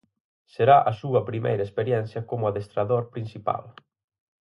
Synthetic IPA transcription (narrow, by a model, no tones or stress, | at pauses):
seɾaʔɐsuɐpɾimejɾɐespeɾjɛn̟θjɐkomʊaðest̪ɾaðoɾpɾinsipa̰l